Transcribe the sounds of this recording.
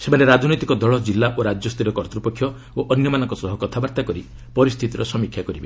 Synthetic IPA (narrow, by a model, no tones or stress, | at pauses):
sem̤aneɾad͡ʒnɔjt̪ikɔd̪ɔɭɔd͡ʒilːaʔoɾad͡ʒjɔst̪ʰiɾɔkɔɾt̪ɾupɔkʰjɔ | oʔɔnjɔmanɔŋkɔsɔɦɔkɔt̪ʰabaɾt̪akɔɾi | pɔɾist̪ʰit̪iɾɔsɔmikʰjakɔɾibe